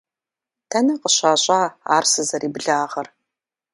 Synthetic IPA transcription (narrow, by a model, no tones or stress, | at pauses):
tʰɐnɐqəɕaːɕʼɑːa̰ːrsɨzɐɾʔiːbɨɮaːʁɐr